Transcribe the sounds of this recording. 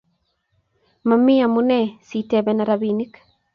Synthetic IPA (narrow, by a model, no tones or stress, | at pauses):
mamɪamunɛsitɛbɛnaɾabinik